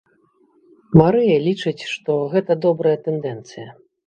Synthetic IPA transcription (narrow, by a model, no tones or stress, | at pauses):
maɾɨjɐlʲit͡ʂɨt͡sʲʂt̪ɔɣɛt̪ɐd̪ɔbɾɐjɐt̪ɛnd̪ɛnt̪sɨjɐ